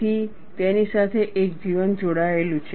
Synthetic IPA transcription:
i | t̪enisat̪ʰeʔekd͡ʒiʋənd͡ʒoɽaelũt͡ʃʰe

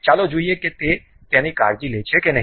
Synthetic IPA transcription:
t͡ʃaːlod͡ʒuieket̪e | t̪ɛ̃ːnikaːɾd͡ʒileːt͡ʃʰekenɐɦ

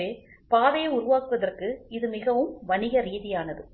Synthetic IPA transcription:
eː | paːʋɐjɐʊɾʊʋaːkɯʋɐðɐrkɯɪðɯmɪɣɐʋɯmʋɐnɪɣɐɾiːðɪjaːnɐðɯ

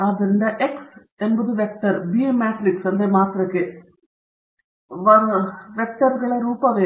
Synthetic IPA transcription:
aːd̪ɐɾind̪ɐʔeks | enbɐðuʋek̚ʈɐrbimaːt̪ɾiksɐnd̪emaːt̪rɐkːe | ɐʋek̚ʈɐɾɣɐɭeɾuːpːɐʋeː

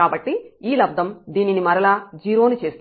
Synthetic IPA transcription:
aːbɐʈːiiːlɐb̚d̪ʱɐmd̪iːninimɐɾɐlaːd͡ʒiːɾoːnit͡ʃe̞ːst̪

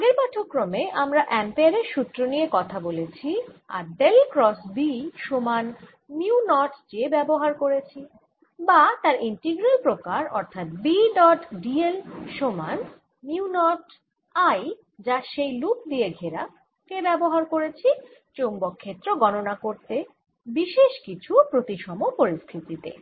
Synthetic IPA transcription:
aɡeɾpaʈʰokːɾomeʔamɾaʔɛmpeaɾeɾʃut̪ːɾonijekɔt̪ʰabolet͡ɕʰia̰ɾɖelkɾɔsbiʃoman | miunɔʈd͡ʑebɛboɦaɾkoɾet͡ɕʰi | bat̪aɾinʈeɡɾelpɾokaɾɔ̰ɾt̪ʰat̪̚biɖɔʈɖielʃoman | niunɔʈ | aj | d͡ʑaʃejlup̚d̪ieɡʱeɾa | kebɛboɦaɾkoɾet͡ɕʰit͡ɕombokʰːet̪ːɾoɡɔnonakoɾt̪e | biʃeʃkit͡ɕʰupɾot̪iʃɔmopoɾist̪ʰit̪it̪ḛ

